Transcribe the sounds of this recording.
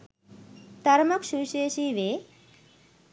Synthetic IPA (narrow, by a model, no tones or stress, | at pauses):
t̪ɐɾmɐkʃuʃeːʃiʋe